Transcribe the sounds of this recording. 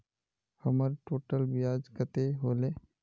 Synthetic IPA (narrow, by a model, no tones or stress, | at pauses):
həməɾʈoːʈəlbijaːd͡ʒkət̪eɦoːle